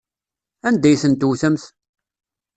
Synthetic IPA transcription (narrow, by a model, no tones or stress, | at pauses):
ænd̪æjθənt̪wθəmθ